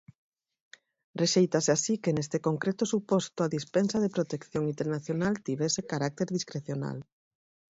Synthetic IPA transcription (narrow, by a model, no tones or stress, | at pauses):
reʃejt̪aseasikenest̪ekoŋkɾet̪ʊsupɔst̪ʊaðispɛnsaðepɾot̪ekθjoŋint̪eɾnaθjonalt̪iβ̞ɛsekaɾak̚t̪eɾðiskɾeθjona̰l